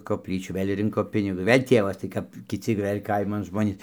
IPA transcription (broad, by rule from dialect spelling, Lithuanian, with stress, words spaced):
koːpʲˈlʲiːt͡ʃʲuː ˈʋɘlʲ ˈrʲɪŋkoː ˈpʲɪnʲɪɡʊs ˈʋʲeːlʲ ˈtʲiɛʋɐs tɐɪ ˈkɐp kʲɪˈt͡sʲɪ ˈʋɘlʲ ˈkɐɪmɐn ˈʒmoːnʲiːs